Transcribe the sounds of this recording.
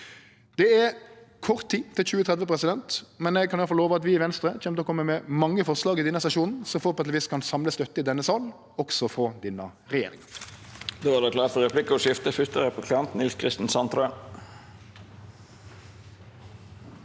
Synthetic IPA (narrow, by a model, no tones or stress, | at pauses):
d̪̥ɛækʰɔʁt̪ʰːiːt̪ʰɪlçʉːət̪ʰʁɛd̪ʋəpʰʁɛsɪd̪ɛnt̪mɛnɛɡ̚kʰɑnjɑlflːoːʋəɑt̪ʋɪʋɛnst̪ɾəçɛmt̪əɔkʰɔmːəmɛmɑŋːəfɔʁslɑːɡɪd̪ɛnːəsɑʃuːnn̩sɔfɔpɔɛt̪lʋiːskʰɑnsɑmləst̪œt̪ːəɪd̪ɛnːəsɑːl | ɔksɔfɔd̪ɪnːə | ʁɛjḛːɾɪ̰ŋə | d̪oːʋɑd̪ɛkʰlɑːt̪fɔɾɛpʰlɪkəɔʂɪft̪əfʏt̪əɾəpʰɔkʰlɪɑnt̪n̩ɪlskʰʁɪst̪n̩sɑnt̪ɾøː